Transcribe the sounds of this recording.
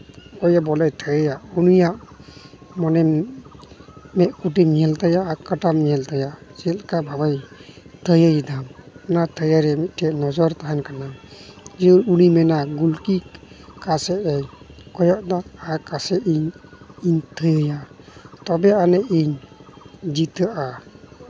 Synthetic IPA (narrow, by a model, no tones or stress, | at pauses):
kɔjabɔlajt̪ʰəjəjaʔunujaʔ | mɔnɛm | mɛʔ̪̚kuʈ̬imiɛlt̪ajaʔakaʈammiɛlt̪ajaʔd͡ʒɛlkabʱabajt̪ʰəjəjd̪amɛnat̪ʰəjaɾɛmit̪̚ʈʰɛnɔd͡ʒɔɾt̪aɦankanad͡ʒiuɾunimɛnaɡulki | kasɛʔɛkɔjɔʔd̪aakasɛʔiɲiɲt̪ʰəjəjaʔt̪ɔbɛanɛʔiɲ | d͡ʒit̪əʔa